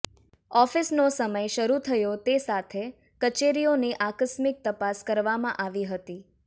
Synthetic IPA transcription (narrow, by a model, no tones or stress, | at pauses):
ɔfisnosəməjʃəɾut̪ʰəjot̪esat̪ʰe | kət͡ʃeɾioneʔakəsmɪk̚t̪əpaskəɾʋamã̰ʔaʋiɦət̪i